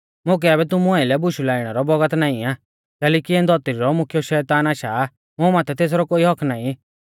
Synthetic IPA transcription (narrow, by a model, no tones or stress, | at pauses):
mʊk̬ɛɛːbɛt̪̬ʊmuãːɪlɛbʊʃulaːɪɽ̃ɛɾɔbɔɡət̪naːĩaː | kɛːlɛːkiɛnd̪ʱɔt̪ɾiɾɔmʊkʰjɔʃɛːt̪aːnaːʃa | mʊ̃maːt̪ɛt̪eːs̬ɾɔkoːiɦɔkʰnaːĩ